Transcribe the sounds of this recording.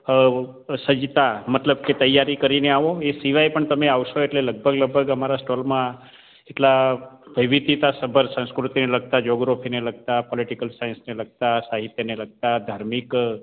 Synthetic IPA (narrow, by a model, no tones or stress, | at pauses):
səd͡ʒt̪amət̪ləbket̪əjːaɾikəɾineaʋoesiʋajpəɳt̪əmeaʋʃoeʈleləɡ̚bʱəɡləɡ̚bʱəɡəmaɾasʈolmã | eʈlaʋəʋid̪it̪asəbʱəɾsə̃skɾut̪ineləɡ̚t̪ad͡ʒoɡɾofʰineləɡ̚t̪apɔliʈikəlsajənsneləɡ̚t̪asaɦit̪jəneləɡ̚t̪ad̪ʱaɾmik